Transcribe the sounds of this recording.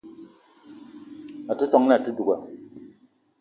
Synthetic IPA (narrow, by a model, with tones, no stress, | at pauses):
a˨tu˦tɔ˦ŋna˦˨tu˦du˨ɡa˨